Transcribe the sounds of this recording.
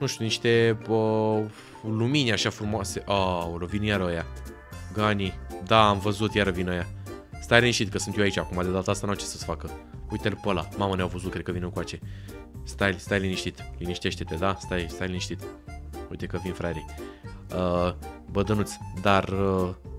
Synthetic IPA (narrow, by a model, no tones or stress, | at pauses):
nuʃt̪ʲjuniʃt̪e̞bə | luminʲaʃafɾumoaseʔaoɾovinjaɾoja | ɡanid̪aamvəzut̪jaɾəvinaja | st̪ajliniʃt̪it̪̚kəsunt̪joait͡ʃakumad̪ed̪at̪əast̪anat͡ʃesəsfakəujt̪elpəlamaməneawvəzut̚kɾekəvinəŋkuat͡ʃe̞st̪ajlst̪ajliniʃt̪it̪liniʃt̪e̞ʃt̪e̞t̪ed̪ast̪ajst̪ajliniʃt̪it̪ujt̪e̞kəvinfɾajɾe | əbəd̪ənut̪sʲd̪arə